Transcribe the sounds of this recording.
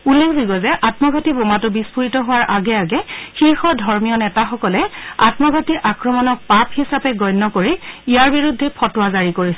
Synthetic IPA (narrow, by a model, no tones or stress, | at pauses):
ulːekʰziɡɔzɛʔatmɔɡʱɔtibomatʊbispuɹitɔɦʊwaɹʔaɡɛaɡɛxiɹxɔdʱɔɹmijɔnɛtaxɔkɔlɛa̰tmɔɡʱɔtiʔakɹɔmɔnɔk̚papʰhisapɛɡɔjnːɔkoɹiijaɹbiɹudʱːɛpʰɔtʊwazaɹikoɹisɛ